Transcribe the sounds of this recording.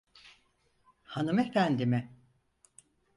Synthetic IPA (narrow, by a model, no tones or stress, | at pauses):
hanɯmɛɾænd̪imɪ